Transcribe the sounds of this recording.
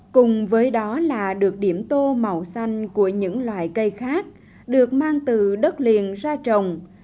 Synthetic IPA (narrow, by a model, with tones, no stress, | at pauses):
kʊ˨˩ŋ͡mvəː˨˦jɗɔ˨˦laː˨˩ɗɨ˨˩ək̚ɗi˧˩əmt̪o˧ma˨˩wsa˧jŋ̟ku˧˩əɲɨ̰˧˥ŋlwa̰ː˧˨jkə˧jxaː˦˥k̚ | ɗɨ˨˩ək̚maː˧ŋt̪ɨ˨˩ɗə˦˥t̚lḭ˨ənzaː˧t͡ɕə˨wŋ͡m